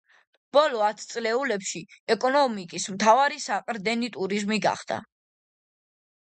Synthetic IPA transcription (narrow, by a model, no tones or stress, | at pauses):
b̥ɔlɔat̪ʰt̪sʼlɛulɛpʃiɛkʼɔnɔmikʼismt̪ʰavaɾisaqʼɾd̪ɛnit̪ʼuɾizmiɡa̰χd̪̥a̰